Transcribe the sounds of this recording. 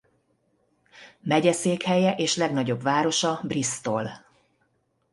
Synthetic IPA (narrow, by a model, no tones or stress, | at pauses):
mɛɟɛseːkhɛjɛʔeːʃlɛɡnɒɟo̞bvaːɾo̞ʃɒbrist̪o̞l